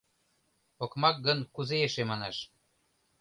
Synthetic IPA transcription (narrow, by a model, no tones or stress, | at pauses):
okmɑk̚ɡɤ̆nkuzeeʃemɑnɑʃ